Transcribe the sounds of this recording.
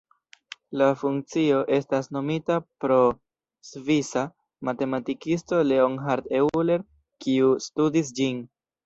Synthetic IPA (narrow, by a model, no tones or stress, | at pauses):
lafuŋk̚t͡sio̞ʔe̞stasno̞mitapɾo̞ | svisa | mate̞matikisto̞le̞onɦaɾtewle̞ɾ | kiustudis̬d͡ʒin